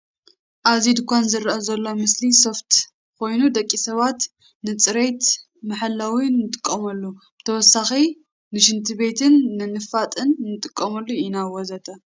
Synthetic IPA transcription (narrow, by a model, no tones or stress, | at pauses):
ʔazid̪kʷʰanzɨɾʔɐzɐlːo̞mɨsliso̞ft̪ | kʰo̞jnud̪ɐkʼːisɐβat̪ | nɨt͡sʼɨɾet̪ | maħalːawinːɨt̪ʼɨ̥kʼːɐmɐlːubɨt̪ʰɐwɔsːaxi | nɨʃɨnt̪ʰɨβe̞t̪ʰɨnːɨnɨfat̪ʼɨnnːɨt̪ʼɨkʼːɐmɐlːuinawozɐt̪ʰʼɐ